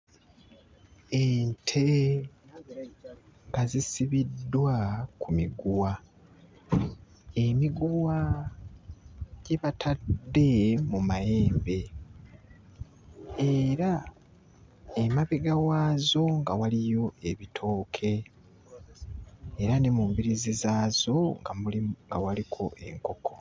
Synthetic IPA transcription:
eːntʰe | ɡazisiβidːwakumiɡuwa | emiɡuwa | ɟ̥eβatʰaddːe̞mumaje̞ːmbe̞ | eɾa | emaβeɡawaːzo̞ŋɡawalijo̞e̞βitʰo̞ːkʰe̞ | ɾanemumbiɾizizaːzo̞ŋɡamuliŋɡa̰walikʰo̞ʔe̞̰ŋko̞kʰo̞

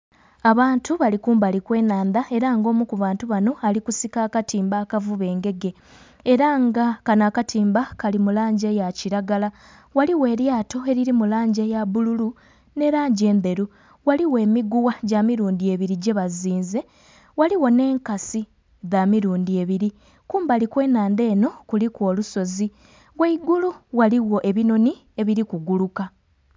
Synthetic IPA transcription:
aβaːntuβalikuːmbalikwe̞ːnaːnd̪ae̞ɾaŋɡo̞ːmukuβaːntuβano̞alikusikaːkatiːmbaːkavuβe̞ːŋɡe̞ɡe̞ | eɾaŋɡakanakatiːmbakalimulaːɲɟe̞jaciɾaɡala | waliwe̞ːɾjaːto̞e̞ɾiɾimulaːɲɟe̞jaβululu | ne̞ɾaːɲɟe̞ːnde̞ɾu | waliwe̞ːmiɡuwaɟamiɾuːndie̞βiɾiɟe̞βaziːnze̞ | waliwo̞ne̞ːŋkasi | ðaːmiɾuːndie̞βiɾi | kuːmbalikwe̞ːnaːnde̞ːno̞kulikwo̞ːluso̞zi | weiɡuluwaliwo̞ʔe̞βino̞ni | e̞βiɾikuɡuluka

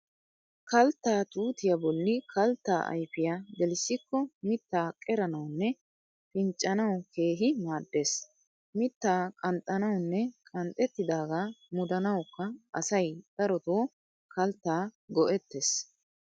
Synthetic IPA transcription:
kɐlt̪ːaːt̪ʼuːt̪ɪjɐbɔlːɪkʰɐlt̪ːaːʔɐ̰jfɪjaːd̪ɛlɪsːɪkːɔmɪt̪ːaːkʼɛɾɐnɐwnːɛ | pɪnt͡ʃʼːɐnɐwke̞ːɦɪmaːd̪ːe̞ːs | mɪt̪ːaːkʼɐnt̪ʼːɐnɐwnːɛkʼɐnt̪ʼːɛt̪ːɪd̪aːɡamʊd̪ɐnɐwkːɐʔɐsɐjd̪̥ɐɾɔt̪oː | kɐlt̪ːaːɡɔʔɛt̪ːeːs

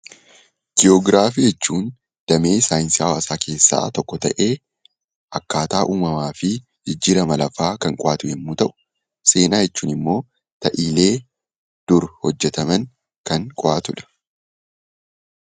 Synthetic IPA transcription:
ɡ̥ɪoːɡɾaːfid͡ʒɛt͡ʃːuːn | d̪̥ɐme̞ːsaːjɪnsiɐwaːsaːke̞ːsːa̰ːt̪ɔkːɔt̪ɐʔe̞ː | ʔɐkːaːt̪aːʔuːmɐmaːfɪ | d͡ʒɪd͡ʒːiːɾɐmɐlɐfaːkɐŋkʼɔʔaːt̪ʊjɛmːuːt̪ɐʔʊ̥ | se̞ːnaːjɛt͡ʃːuːnɪmːo̞ː | t̪ɐʔiːle̞ː | d̪̥ʊɾhɔd͡ʒːɛt̪ɐmɐŋ | kɐŋkʼɔʔaːt̪ʊᶑɐ̥

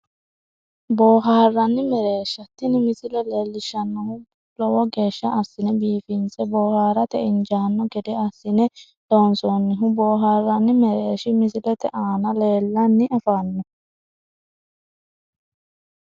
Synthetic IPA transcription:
boːɦaːrːɐnːɪmɛɾeːʃːɐt̪ːɪnɪmɪsɪlɛleːlːɪʃɐnːɔhʊ | lɔwɔɡe̞ːʃːɐʔɐsːɪnɛbiːfɪnt͡sɛboːhaːɾɐt̪ɛʔɪnd͡ʒaːnːɔɡɛd̪ɛɐsːɪnɛ | loːnsɔnːɪɦʊboːɦaːrːɐnːɪmɛɾeːʃɪmɪsɪlɛt̪ɛʔaːnɐle̞ːlːɐnːɪʔɐfaːnːɔ

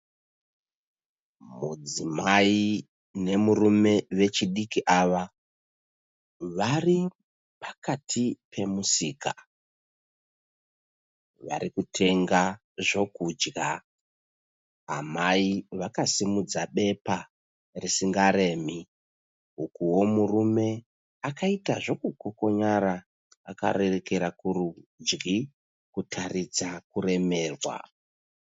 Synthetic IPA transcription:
mud͡zimai | ne̞murume̞ʋe̞t͡ʃiɗikiʔaʋa | ʋari | pḁkatʰipʰe̞musiːka | ʋa̰ɾikutʰe̞ŋɡa | ʐo̞kud͡ʒɡa | amaiʋakasimud͡zaɓe̞pa | risiŋɡaɾe̞ːmi | ukuwo̞murume̞ | akaitaʐo̞kukoko̞ɲaɾa | aka̰ɾereke̞ɾakurud͡ʒɡi | kutʰarid͡zakure̞me̞ːrwa̰

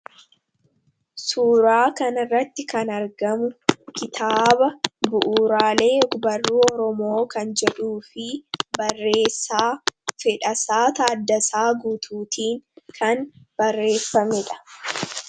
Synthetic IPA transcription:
suːɾaːkɐnɐrːɐt̪ːɪkɐnɐɾɡɐmʊkɪt̪ʰaːbɐbʊʔuːɾaːle̞ːbɐrːuːɔɾɔmo̞ːkɐnd͡ʒɛᶑuːfɪbɐrːeːsːaːfɛᶑɐsaːt̪aːd̪ːɐsaːɡuːt̪ʰuːt̪iːŋkʰɐnb̥ɐrːe̞ːfːɐmɪᶑɐ̥

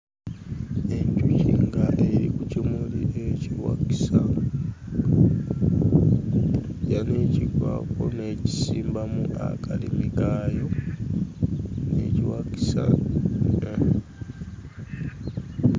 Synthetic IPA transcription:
eɲcuciŋɡaʔeɾikucimulieciwaki̥sa | janeciɡwa̰koneci̥siːmbamuʔa̰kʰalimikajo̞ | nḛciwaki̥sa̰

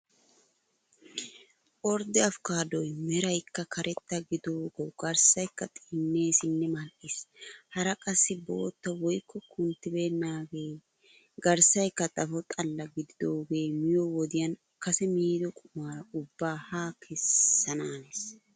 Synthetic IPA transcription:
ʔɔɾd̪ɪɐfkaːd̪ɔjmɛɾɐjkːɐkʰɐɾʔɛt̪ːɐɡɪd̪oːɡ̥ɛwɡ̥ɐɾsɐjkːɐt̪ʼɪnːe̞ːsɪnːɛmɐlʔɪshɐɾɐkʼɐsːɪboːt̪ːɐwɔjkːɔkʰʊnt̪ːɪbe̞ːnːaːɡe̞ː | ɡɐɾsɐjkːɐt̪ʼɐfɔt̪ʼɐlːɐɡɪd̪ɪd̪o̞ːɡe̞ːmɪjowɔd̪ɪjɐn | kɐsɛmiːd̪ɔkʼʊmaːɾɐʊbːaːhaːkʰɛsːɐnaːnes

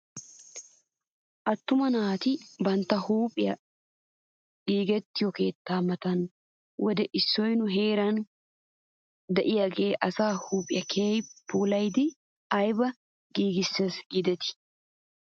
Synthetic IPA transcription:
ʔɐt̪ːʊmɐnaːt̪ɪbɐnt̪ːɐhuːpʼːɪjɐ̰ | ɗiːɡɛt̪ːɪjɔke̞ːt̪ːaːmɐt̪ɐn | wʔɔd̪ɛʔɪsːɔjnʊɦeːɾɐn | d̪ɛʔɪjaːɡe̞ːʔɐsaːhuːpʼːɪjɐkʰeːjpːuːlɐjd̪ɪ | ɐjbɐ | ɡiːɡɪsːesɡɪd̪ɛt̪ɪ̥

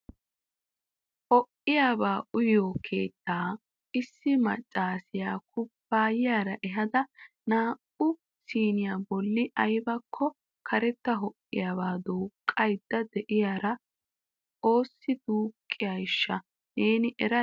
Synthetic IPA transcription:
hɔʔɪjaːbaːʔʊjoːkʰe̞̰ːt̪ːaː | ɪsːɪmɐ̰t͡ʃʼːaːsɪjaːk̚ʊpːaːjɪjaːɾɐʔɛɦɐd̪ɐ | naːʔʊ | siːnɪjaːbɔlːɪʔɐjbɐkʰːɔ | kʰɐɾɛt̪ːɐɦɔʔːɪ̰jaːbaːd̪uːkʼːɐjd̪ːɐd̪ɛʔɪjaːɾɐ | o̞ːsːɪd̪uːkʼːɪjɐjɪʃːɐ | neːnɪʔɛɾɐ

